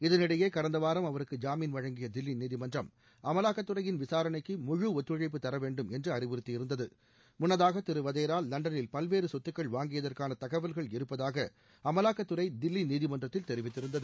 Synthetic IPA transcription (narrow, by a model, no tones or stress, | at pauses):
ɪðɐnɪɽɐjeːkɐɾɐnd̪ɐʋaːɾɐmɐʋɐɾɯkːɯd͡ʒaːmiːnʋɐɻɐŋɡɪjɐd̪ɪlːiniːðɪmɐndrɐm | ɐmɐlaːkːɐt̪ːɯrɐjɪnʋɪsaːɾɐnɐɪkːɯmʊɻuɔt̪ːɾɯɻɐɪpːɯt̪ːɐɾɐʋeːɳɖɯmɛndrɯɐrɪʋɪɾɯt̪ːɪjɪɾɯnd̪ɐðɯ | mʊnːɐðaːɣɐt̪ːɪɾɯʋɐðeːɾaːlːɐɳɖɐnɪlpɐlʋeːɾɯsɔt̪ːɯkːɐɭʋaːŋɡɪjɐðɐrkaːnɐt̪ɐɣɐʋɐlɣɐɭɪɾɯpːɐðaːɣɐ | ɐmɐlaːkːɐt̪ːɯrɐɪd̪ɪlːiniːðɪmɐndrɐt̪ːɪlt̪ɛɾɪʋɪt̪ːɪɾɯnd̪ɐðɯ